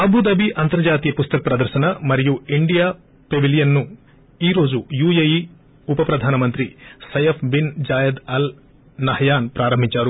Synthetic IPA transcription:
ɐbʱud̪ɐbiʔɐnt̪ɐɾd͡ʒaːt̪ijɐpust̪ɐkɐpɾɐd̪ɐɾʃɐnɐmɐɾɛjuiɳɖijaː | pebilijɐnːu | iːɾo̞ːd͡ʒujuːjɐji | upɐpɾɐd̪ʱaːnɐmɐnt̪ɾisɐjɐfʰbind͡ʒaːjɐd̪ɐl | nɐɦɐjaːnpɾaːɾɐmbʱit͡ʃaːɾu

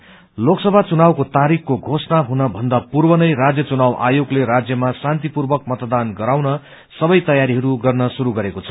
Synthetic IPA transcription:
loksʌbʱat͡sunawkot̪aɾikkoɡʱosnaɦunʌbʱʌnd̪apurbʌnʌjrad͡zjʌt͡sunawʔa̰joɡlerad͡zjʌmasant̪ipurbʌk̚mʌt̪d̪anɡʌɾawnʌ | sʌbʌjt̪ʌjaɾiɦʌɾuɡʌrnʌsuɾuɡʌɾekot͡sʰʌ̥

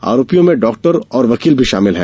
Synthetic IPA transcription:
a̰ːɾoːpijõmẽɖɔːk̚ʈəɾɔːɾʋɐkiːlbʱiʃa̰ːmɪlɦɛ̰̃ː

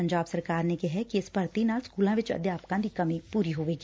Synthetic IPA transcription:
ɐ̃ɲd͡ʒaːbsɐɾkaːɾnekɪɦɛkiɪspɐɾt̪inaːlskuːlãʋɪt͡ʃɐ̰d̪jaːpkãːd̪ikɐmĩpuːɾiɦoːʋeːɡiː

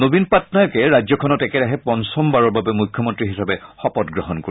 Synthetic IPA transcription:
nobinpatnajɔkɛɹazɔkʰɔnɔtɛkɛɹaɦɛpɔnsɔmbaɹɔɹbabɛmujkʰjɔmɔntɹiɦisabɛxɔpɔtɡɹɔɦɔnko

